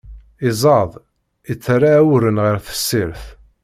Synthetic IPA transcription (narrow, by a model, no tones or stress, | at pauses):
izˤɑðˤ | it͡sːrˤːaːwɾənʁəɾθə̥sːiɾθ